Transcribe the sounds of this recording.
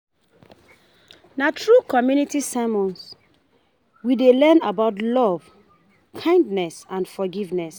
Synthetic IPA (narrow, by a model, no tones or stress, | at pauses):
natʰɹukɔmjunitisamɔ̃ns | widelɛ̃nabaʊtlɔv | kʰãɪ̃ndnɛsãnfɔɡivnɛs